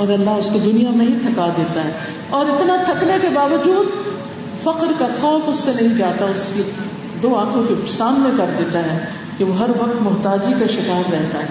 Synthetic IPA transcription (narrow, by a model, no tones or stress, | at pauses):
ɔːɾɐlːaɦʊsked̪ʊnijamẽɦit̪ʰɐkad̪eːt̪aɦɛː | ɔːɾɪt̪nat̪ʰɐknekebaːʋɐd͡ʒuːd̪ | fɐqɾkaxɔːfʊsːenɐɦĩd͡ʒaːt̪aʊske | d̪oːaːkʰõkesaːmnekɐɾd̪eːt̪aɦɛː | keʋoɦɐɾʋɐq̚t̪mʊɦt̪aːd͡ʒikaʃɪkaːɾɾɛɦt̪aɦɛː